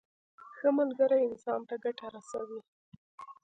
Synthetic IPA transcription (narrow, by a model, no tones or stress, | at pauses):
xəmalɡəɾajɪnsɑnt̪aɡaʈaɾasa̰wi